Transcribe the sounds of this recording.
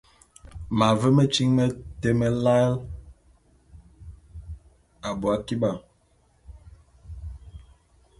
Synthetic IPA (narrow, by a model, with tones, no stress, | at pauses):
ma˨və˦mə˦t͡ʃi˦ŋmə˦te˦mə˦la˦l | a˨bu˨a˦ki˦ba˨